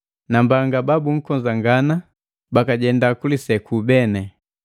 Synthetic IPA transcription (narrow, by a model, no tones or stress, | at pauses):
nambaŋɡababuŋ̩kɔɲd͡ʒaŋɡana | bakaɟɛndakulisɛkubɛnɛ